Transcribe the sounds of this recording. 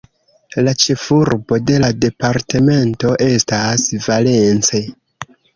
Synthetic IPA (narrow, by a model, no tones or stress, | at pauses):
lat͡ʃe̞fuɾbo̞de̞lade̞paɾte̞me̞nto̞ʔe̞stasvale̞nt͡se